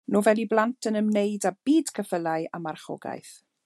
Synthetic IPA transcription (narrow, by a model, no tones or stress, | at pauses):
novɛlˠiblˠantʰənəmneɨdab̥iːd̥kʰəfəlaɨamarχɔ̰ɡa̰jθ